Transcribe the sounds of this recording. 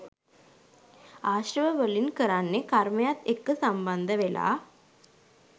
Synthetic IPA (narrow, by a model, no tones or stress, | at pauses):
aːɕɾəʋəʋəlinkəɾanːekɐɾmɐjat̪ekːɨsɐmbɐnd̪ɐʋela̰ː